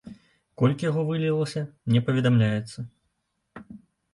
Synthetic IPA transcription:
kɔlʲkʲijaɣɔvɨlʲilˠɐsʲɐmnʲɛpɐvʲɛd̪amlʲajɛt̪sːɐ

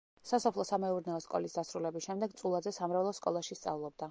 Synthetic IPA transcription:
sasɔpʰlˠɔsamɛuɾnɛɔskʼɔ̰lisd̪asɾulɛbisʃɛmd̪ɛɡt̪sʼulˠad̪zɛsamɾavlˠɔskʼɔ̰lˠaʃist̪sʼa̰vlˠɔb̚d̪a

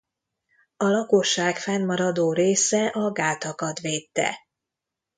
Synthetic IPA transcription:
ɒlɒkoʃːaːkfɛnːɒɾɒd̪oːɾeːsɛʔɒɡaːt̪ɒkɒt̪ʋeːt̪ːɛ̰

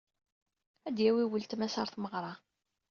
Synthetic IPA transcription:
æd̪jæwiwəlt̪mæsɑɾˤθməʁɾˤɑ

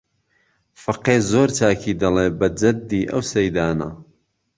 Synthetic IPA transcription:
fɐqeːzoːɾt͡ʃʰaːkʰiːd̪ɐlebɐd͡ʒɐd̪ːiːʔɐ̰wsɐjd̪aːnɐ̰

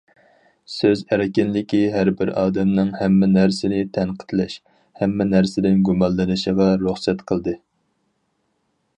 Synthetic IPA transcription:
søzæɾɪkʲɪnlɪkʲiɦæɾbɪɾɑːd̪ɛmnɨŋhɛmːɪnæɾsɪnɪt̪ʰɛnqʰə̥t̪lɛʃ | hɛmːɛnæɾsɪd̪ɪnɡumɑnlɨnɨʃəʁɑɾuχsɛt̪qʰəlˠd̪ɨ

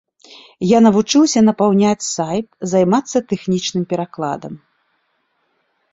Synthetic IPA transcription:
janɐvut͡ʂɨwsʲɐnɐpawnʲat͡sʲsajp̚zajmat̪sːɐt̪ɛxnʲit͡ʂnɨmpʲɛɾaklˠa̰d̪ɐm

